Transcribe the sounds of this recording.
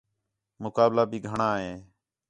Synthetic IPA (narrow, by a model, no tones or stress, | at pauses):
mʊkaːblaːbʱiːɡʱəɳaːɦeː